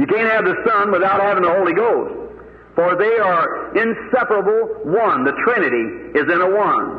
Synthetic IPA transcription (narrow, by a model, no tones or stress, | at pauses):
jɨkæ̃nt̚hɨvðɨsʌ̃nwəθaʊt̚hævɪ̃ŋəhoʊlˠiɡoʊst | fə˞ðeɪə˞ʔɪ̃nsɛpə˞əbl̩ˠwʌ̃nðɨtʰɹ̥ɪnɨɾiɪzɨ̃ñəwʌ̃n